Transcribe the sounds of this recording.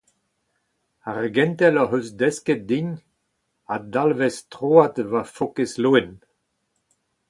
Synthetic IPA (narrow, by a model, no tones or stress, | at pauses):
aʁɡɛ̃nt̪ɛlɔɦøsd̪ɛskɛt̚d̪iɲ | ad̪alvɛst̪ʁoːat̪vafɔkesluen